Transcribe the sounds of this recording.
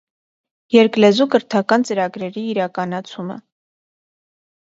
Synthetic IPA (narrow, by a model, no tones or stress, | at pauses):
jɛɾklɛzukəɾt̪ʰɑkɑnt͡səɾɑɡɾɛɾiːɾɑkɑnɑt͡sʰumə̰